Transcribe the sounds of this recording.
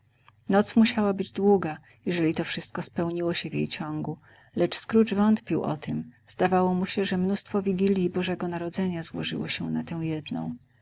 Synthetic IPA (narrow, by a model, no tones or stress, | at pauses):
nɔt̪smuɕawabɘd͡ʑd̪wuɡa | jɛʐɛlʲit̪ɔfʂɘst̪̚kɔspɛwɲiwɔɕɛvʲjḛjt͡ɕɔŋɡu | lɛt͡ʂskɾut͡ʂvɔnt̪pʲiwʔɔ̰t̪ʰɘmz̥d̪avawɔmuɕɛʐɛmnust̪fɔvʲiɡʲilʲjibɔʐɛɡɔnaɾɔd̪zɛɲazwɔ̰ʐɘ̰wɔ̰ɕɛnat̪ɛw̃jɛd̪nɔ̰̃w̃